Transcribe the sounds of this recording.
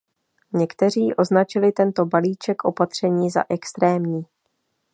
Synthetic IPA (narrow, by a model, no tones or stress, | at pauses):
ɲɛkt̪ɛr̝iːʔo̞znat͡ʃɪlɪt̪ɛnt̪o̞baliːt͡ʃɛkʔo̞pat̪r̝̥ɛɲiːza̰ʔɛkst̪ɾɛːmɲiː